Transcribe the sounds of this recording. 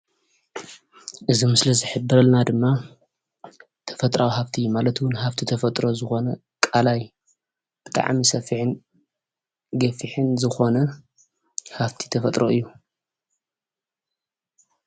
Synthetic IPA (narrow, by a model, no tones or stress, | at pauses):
ʔɨzimɨslɐzɨħɨbːɨɾɐlnad̪ɨmːa | t̪ʰɐ̥fɐt̪ʼɾawhaβt̪ʰimalɐt̪wʊnhaft̪ʰit̪ʰɐfɐt̪ʼɾo̞zɨxo̞nɐ | kʼalaj | b̥ɨt̪ʼa̰ʕmisɐfiħɨn | ɡɐfiħɨnzɨxo̞nɐ | haft̪ʰi̥t̪ʰɐfɐt̪ʼɾoʔɨjːu